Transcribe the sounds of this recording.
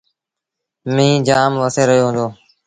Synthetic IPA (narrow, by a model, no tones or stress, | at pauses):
mĩːd͡ʒaːmʋəseːɾəɦjoːɦʊ̃ːnd̪oː